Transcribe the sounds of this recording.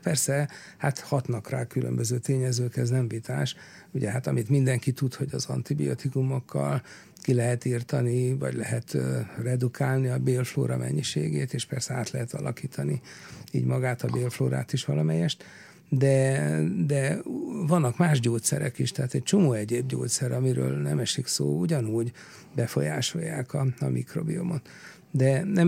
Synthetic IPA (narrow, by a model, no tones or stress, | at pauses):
pɛrsɛhat̪hɒt̪nɒkraːkylʔø̰mbøzøːt̪eːɲɛzøːkɛznɛmvit̪aːʃ | uɟɛɦat̪ɒmit̪mind̪ɛŋkit̪ut̪ho̞ɟɒzɒ̰nt̪ibḭot̪ikumo̞kʰːɒ̰l | kilɛɦɛt̪iːrt̪ɒnivɒ̰ɟlɛɦɛt̪rɛd̪ukʰaːlniɒbeːlflo̰ːɾɒmʔɛ̰ɲːiʃḛːɡḛːt̪eːʃpɛrsɛaːt̪lɛɦɛt̪ɒlʔɒkiːt̪ʰɒniiːɟmɒɡaːt̪ɒbeːlfloːɾa̰ːt̪iʃʋɒlɒmɛjɛʃt̪ | d̪ɛd̪ɛvɒnːɒkmaːʒɟoːt̪sɛ̰ɾɛ̰kiʃt̪ɛɦaːt̪ɛc̚t͡ʃo̞moːɛɟeːbɟo̰ːt̪sɛɾɒmiɾø̰ːlnɛmɛʃiksoːuɟɒnuːɟ | bɛfo̞̰jaːʃo̞̰jːaːkɒɒmḭkro̞̰biomot̪ | d̪ɛnɛ